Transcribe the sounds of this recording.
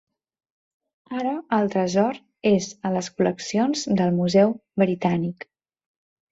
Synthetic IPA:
aɾəːlˠt̪ɾəzɔɾ | ezələskuləksionzd̪əlˠmuzɛwbɾit̪anik

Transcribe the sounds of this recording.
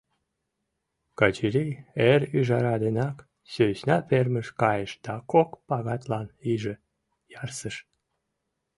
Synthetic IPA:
kɑt͡ɕiɾʲijeɾyʒɑɾɑd̪enɑk | søɕnɑperməʃkɑjəʃd̪̥ɑkokpɑɣɑt̪lɑniʒə̆ | jɑrsəʃ

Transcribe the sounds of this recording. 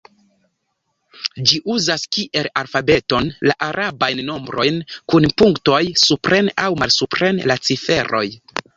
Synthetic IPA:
d͡ʒiʔuzaskiʔe̞lalfabe̞to̞nla̰ʔaɾʔabajnːo̞mbɾo̞jnkunpuŋkto̞jsupɾʔe̞nawmalsupɾe̞nlat͡sife̞ɾo̞̰j

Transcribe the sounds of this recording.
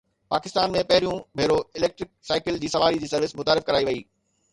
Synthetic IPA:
paːkɪst̪aːnmẽpɐɦɪɾijũbʱeːɾoɪleːk̚ʈɾɪk̚saːɪkɪld͡ʑiːsɐʋaːɾid͡ʑiːsɐɾʋɪsmʊt̪aːɾɪfkɐɾaːiʋɐiː

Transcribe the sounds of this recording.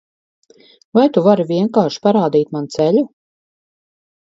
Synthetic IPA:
vajt̪uvaɾviɛŋkaːʃpaɾaːd̪iːt̪mant̪sɛʎu

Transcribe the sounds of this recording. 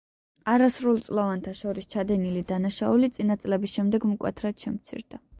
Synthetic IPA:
aɾasɾulˠt̪sʼlˠɔvant̪ʰaʃɔɾist͡ʃʰad̪ɛnilid̪anaʃaulit̪sʼinat̪sʼlɛbisʃɛmd̪ɛɡmukʼwɛ̰t̪ʰɾad̪̥ʃɛmt̪sʰḭɾd̪a

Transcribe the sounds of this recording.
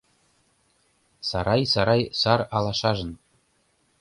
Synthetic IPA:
sɑɾɑjsɑɾɑjsɑrɑlˠɑʃɑʒɤ̆n

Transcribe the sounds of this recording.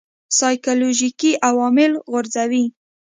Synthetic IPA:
sɑjkoloʒikiʔawɑmɪlɣʊɾzawi

